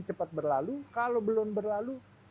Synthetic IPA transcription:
it͡ʃəpat̪̚bərlalukalobəlʊnbərlalu

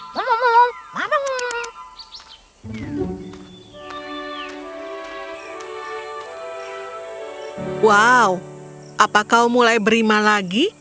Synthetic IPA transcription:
momɔmɔwmamam | wau | ʔapakaumulajbəɾimalaɡi

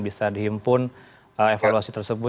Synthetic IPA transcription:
bisadiɦimpʊn | əefaluasit̪ərsəbʊ

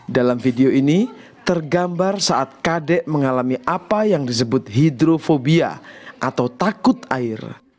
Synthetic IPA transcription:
dalamfideoini | t̪ərɡambarsaʔat̪̚kadɛʔməŋalamiʔapajaŋdis̬əbʊt̪̚ɦidɾofobia̰ʔat̪awt̪akʊt̪aɪr

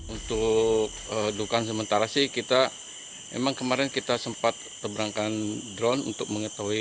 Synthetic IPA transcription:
unt̪ʊk̚ədukans̬əmənt̪aɾasɪhkit̪a | mḛmaŋkəmaɾɛnkit̪asəmpat̪̚ːəbəɾaŋkandɾɔnṵnt̪ʊk̚məŋət̪aɦui

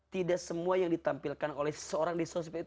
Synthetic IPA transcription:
t̪idasəmuajaŋdit̪ampilkanolɛhsəoɾaŋdisos̬pɛ

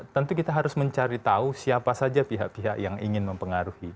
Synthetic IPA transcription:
t̪ənt̪ukit̪aɦaɾʊsməɲt͡ʃaɾit̪ausiapasad͡ʒapiɦaʔpiɦaʔjaŋḭŋɪnməmpəŋaɾuhi

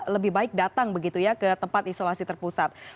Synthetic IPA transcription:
ləbɪhbaɪk̚dat̪aŋbəɡit̪ujakət̪əmpat̪isolasit̪ərpusat̪̚

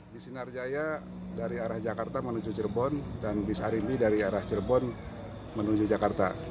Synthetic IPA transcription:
bisinard͡ʒaja | daɾiaɾahd͡ʒakart̪amənud͡ʒut͡ʃərbɔndanbisa̰ɾimbidaɾiaɾaht͡ʃərbɔn | mənud͡ʒud͡ʒakart̪a̰

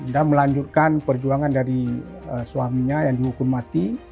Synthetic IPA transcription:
əndaməlaɲd͡ʒut̪̚kanpərd͡ʒuaŋandaɾiəsuamiɲajaŋdiɦukʊmːat̪i

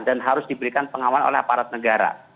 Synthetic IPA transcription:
danɦaɾʊsdibəɾikanpəŋamano̰lɛhapaɾat̪̚nəɡaɾa̰

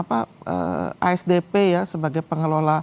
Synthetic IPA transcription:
paə̰a̰ɛsdepejasəbaɡajpəŋəlola

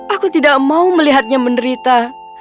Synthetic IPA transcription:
akut̪idak̚mauməliɦat̪̚ɲaməndəɾit̪a

